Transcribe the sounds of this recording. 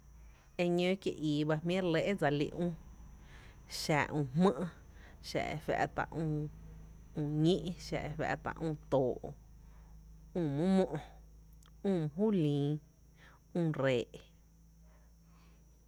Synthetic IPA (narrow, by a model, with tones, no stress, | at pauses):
e˧ɲõ˦kjḛ˧˨ʔiː˨ba˧mĩ˦ɾle˦ʔe˦d͡za˧lḭ˧ʔũː˦ | ʃa˨ʔũː˧˨mmə̃˦ʔ | ʃa̰˧˨ʔḛ˧fɛ̰˧ʔt̪a̰˨ʔũː˧ | ũː˧˨ɲĩ˦ʔʃa̰˧˨ʔe˧fa̰˧ʔt̪a̰˧ʔũː˧t̪oː˨ʔ | ũː˦˧˨mũ˦mõ˦ʔ | ũː˦˧˨m̃˧ɦuː˦˨lĩː˨˦ | ũː˧˨ɾeː˨ʔ